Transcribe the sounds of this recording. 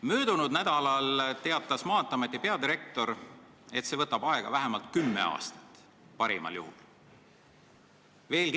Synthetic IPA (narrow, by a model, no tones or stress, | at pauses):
møːd̪̥unud̪̥næd̪̥ɑlɑlt̪e̞ɑt̪ːˑɑsmɑːt̪ːˑɑmet̪ːˑipe̞ɑd̪iɾe̞k̚t̪o̞ɾ | e̞t̪se̞vɤt̪ːˑɑb̥ɑeɡ̥ɑ̰væɦemɑlt̪kymːe̞̰ɑ̰ːst̪ɑ̥t̪ˑ | pɑɾḭmɑ̰ljṵhṵl | ve̞ːlk